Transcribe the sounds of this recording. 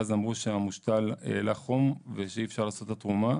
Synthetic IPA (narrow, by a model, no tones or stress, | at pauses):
zamʁuʃeamuʃt̪alḛlaχomveʃeiːfʃaʁlaːso̞t̪ːat̪ʁuma